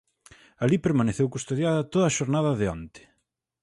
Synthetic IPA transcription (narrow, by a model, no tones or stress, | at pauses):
alipeɾmaneθewkust̪oðjaðɐt̪oðɐaːʃoɾnaðɐðɪɔ̰nt̪ɪ̥